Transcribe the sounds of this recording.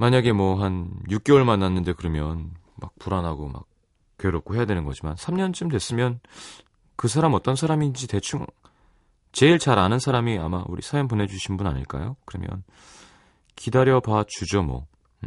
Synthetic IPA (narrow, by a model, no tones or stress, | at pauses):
maɲaɡe̞mwʌɦanjuk̚k͈eoɭmanːanːɯnde̞kɯɾʌmjʌn | ma̰k̚puɾanɦaɡoma̰k̚ | k͈eɾop̚k͈ohe̞jadwe̞nɯnɡʌ̰d͡ʑimansʰamɲʌnt͡ɕ͈ɯmdwe̞s͈ɯmjʌn | kɯs̬ʰaɾamʌt͈ʌnsʰaɾamid͡ʑite̞t͡ɕʰuŋ | t͡ɕe̞iɭt͡ɕaɾanɯnsʰaɾamia̰maʔṵɾḭsʰajoŋpone̞d͡ʑuɕʰinbunaɲḭɭk͈a̰jo̰kɯɾʌmjʌ̰n | kidaɾjʌpat͡ɕud͡ʑomwʌ̰